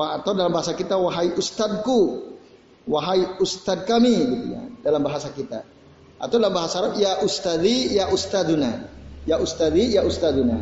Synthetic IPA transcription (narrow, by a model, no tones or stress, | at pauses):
waat̪awdalambaɦasakit̪awaɦaiʔust̪ad̪̚ku | waɦaiust̪ad̪̚kamiɡit̪uɲa̰dalambaɦasakit̪a̰ | a̰t̪awdalambaɦasaːɾapjaʔust̪ad̪ijaʔust̪ad̪unajaʔust̪ad̪ijaust̪ad̪una̰